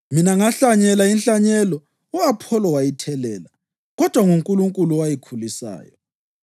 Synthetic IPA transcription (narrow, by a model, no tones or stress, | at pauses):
minaŋaɬaɲɛlainɬaɲɛlɔ | ɔapʰɔlɔwajitʰɛlɛːla | ɣɔd̥ʱwaŋuŋkʼuluŋkʼuluwajikʰulisa̰ːjɔ